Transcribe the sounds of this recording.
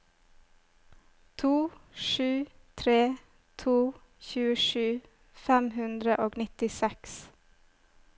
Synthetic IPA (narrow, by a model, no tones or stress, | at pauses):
t̪ʰuːʃʉː | t̪ʰɾeː | t̪ʰuː | çʉːəʃʉː | fɛmhʉnd̪ɾəʔoːɡnɪt̪ɪsɛks